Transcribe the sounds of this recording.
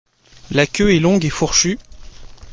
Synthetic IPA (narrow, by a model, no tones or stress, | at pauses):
lakʲøɛlɔ̃ɡefuʁʃy